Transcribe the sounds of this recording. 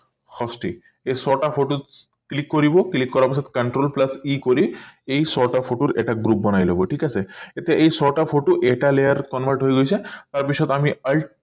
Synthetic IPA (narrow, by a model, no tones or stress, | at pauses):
kɔsʈḭ | esɔʈafʰoʈo | klikːoɾiboklikːɔɾaɾpisʰɔt̪e̥kɐɳʈɾolplasikoɾiejsɔʈafʰoʈoɾḛʈaɡɾup̚bɔnajloboʈʰikasʰeet̪eʔejsɔʈafʰoʈoʔeʈalejaɾkɔnbʱəɾʈɦojɡojt͡ɕʰet̪aɾpiʃɔt̪amialʈ